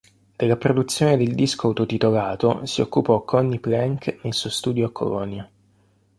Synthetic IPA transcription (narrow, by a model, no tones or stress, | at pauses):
d̪̥elːapɾod̪ut̪sːjoːned̪eld̪iskoawt̪ot̪it̪olaːt̪o̰siokːupɔkʰːɔnːiplɛŋknelsuost̪uːd̪joakːo̰lɔnːja